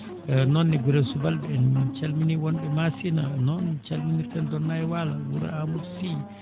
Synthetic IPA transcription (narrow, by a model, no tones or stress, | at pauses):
nɔnːɛɡuɾɛsubalbɛɛnt͡ʃalminiwɔnbɛmasinanɔnt͡ʃalminiɾkandɔnːajɛwalawuɾa̰amudsi